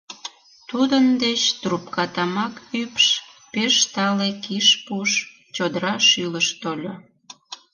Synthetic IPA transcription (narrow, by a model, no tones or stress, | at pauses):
t̪ud̪ənd̪et͡ɕt̪rupkɑt̪ɑmɑkypʃpeʃt̪ɑlekiʃpuʃ | t͡ɕod̪əɾɑʃyləʃt̪olʲo